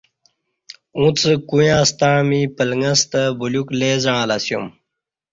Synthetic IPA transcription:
ũt͡səkujãːst̪amipəlŋəst̪əbulukleːzãːlasjṵm

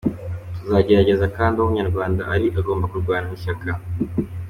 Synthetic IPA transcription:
tuzaɟe̞ɾaɟe̞zakaːndiomuɲaɾɡwaːndaʔaɾiʔaɡo̞ːmbakuɾɡwaːɾamiʃaka

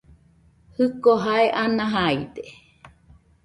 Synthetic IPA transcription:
hɨkoɦaeʔanãɦaid̪e

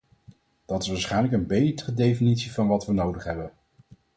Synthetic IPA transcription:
d̥ɑtɪsʋaːsχɛjnləkənbejtərədejfinitsivɑnʋɑtʋənowdəχɦɛbən

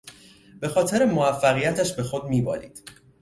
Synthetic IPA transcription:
b̥e̞xɒːt̪ʰe̞ɾemoæfːæɣijæt̪ʰæʃbe̞xod̪miːbɒ̰ːɾḭːd̪̥

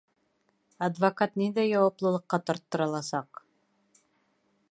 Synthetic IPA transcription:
ɐd̪vɐkat̪nind̪æjɑwɑplˠɤ̆lˠɤ̆qːɑt̪ɒ̆ɾt̪ːɤ̆ɾɑlˠɑsɑq

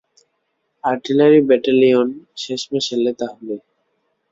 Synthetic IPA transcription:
aɾʈilaɾibɛʈalionʃeʃmeʃelːet̪aɦbe

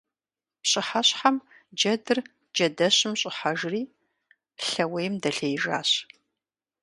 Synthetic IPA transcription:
pɕʼɪħaɕħam | d͡ʒɐdɨr | d͡ʒɐdɐɕɪmɕʼɪħaʒriː | ɬɐwejmdɐɬejʒa̰ːɕ

